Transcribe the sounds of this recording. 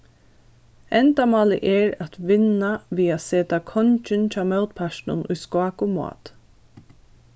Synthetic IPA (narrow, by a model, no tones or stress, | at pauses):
ɛnd̪amɑːlə̰ʔɛɹat̪ʋɪnaʋiːaseːt̪akʰɔnt͡ʃɪnt͡ʃaːmœʊt̪̚pʰaʃnʊ̰nʊ̰jskɑːkʊma̰ːt̪